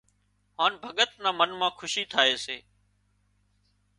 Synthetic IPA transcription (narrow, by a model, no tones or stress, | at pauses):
haːnbʱəɠət̪nãːmənmãːkʰʊʃiːt̪ʰaːeːseː